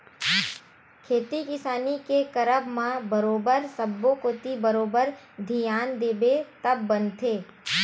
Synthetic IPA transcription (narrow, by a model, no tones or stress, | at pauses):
kʰeːt̪ikɪsaːnikekəɾəbmãbəɾoːbəɾsəbːokoːt̪ibəɾoːbəɾ | d̪ʱijaːnd̪eːbet̪ɐbːə̃nt̪ʰeː